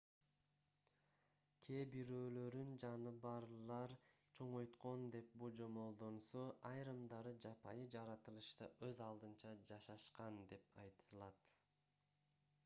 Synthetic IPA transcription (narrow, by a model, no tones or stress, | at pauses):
kʲʰe̞biɾøːlø̞ɾynd͡ʒɑnɯbɑɾlˠɑɾt͡ʃʰo̞ɴo̞jt̪qo̞nd̪e̞p̚bud͡ʒo̞mo̞lˠd̪o̞nsoʔɑjɾɯmd̪ɑɾɯd͡ʒɑpʰɑjɯd͡ʒɑɾɑt̪ɯlˠɯʃt̪ɑʔø̞zɑlˠd̪ɯnt͡ʃɑd͡ʒɑʃɑʃqɑnd̪e̞pɑjt̪ʰɯlˠɑt̪